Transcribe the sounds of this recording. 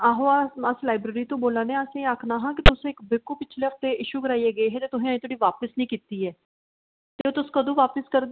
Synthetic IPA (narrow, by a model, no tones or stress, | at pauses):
aːɦoaːəslaːɪbɾeːɾiːt̪õːboːlaːnẽːəsẽaːkʰnaːɦãːk̬ɪt̪ʊsẽːɪkbɪkːuːpɪt͡ʃʰleːəft̪eːʔɪʃuːɡəɾaːieːɡəeːɦɛːt̪eːt̪ʊsẽːaĩt̪oːɽiːʋaːpəsnəĩːkiːt̪iːɛː | t̪eːoːt̪ʊskəd̪õːʋaːpəskəɾd̪